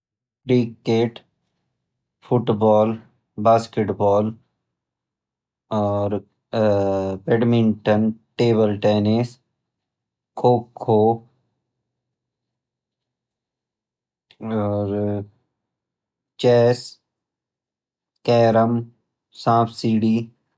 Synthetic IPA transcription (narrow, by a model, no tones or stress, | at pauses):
kɾikːeːʈ | fʰʊʈbɔːl | baːskeʈbɔːl | ɔːɾ | beɖmɪɳʈənʈeːbəlʈeːnes | kʰoːkʰːoː | ɔːɾ | t͡ʃɛːs | kɛːɾəm | sãːpʰsiːɖiː